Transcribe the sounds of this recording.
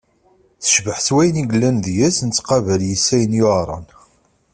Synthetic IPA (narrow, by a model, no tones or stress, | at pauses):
θə̥ʃvəħswæjniɡəlːænðjæsnt͡sːqɑvæljəsːæjənjoʁɾˤɑ̰n